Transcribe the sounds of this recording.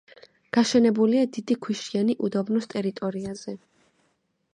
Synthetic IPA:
ɡ̥aʃɛnɛbuliad̪id̪ikʰwiʃianiʔud̪ɔbnɔst̪ʼɛɾit̪ʼɔɾiaz̥ɛ

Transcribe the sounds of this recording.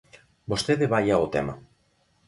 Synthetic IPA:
bost̪eðeβajaot̪ḛma

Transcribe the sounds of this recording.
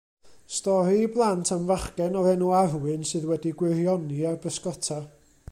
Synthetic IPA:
stɔɾiːblˠantʰamvaχkɛnɔɾɛnuarwɨnsɨðwɛdiɡwɪrjɔniarbəskɔtʰa

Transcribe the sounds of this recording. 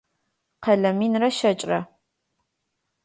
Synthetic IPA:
qʰɐɮɐmiːnrɐʃɐt͡ʃʼrɐ

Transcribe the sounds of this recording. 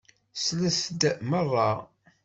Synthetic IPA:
slæsd̪mərˤːɑ

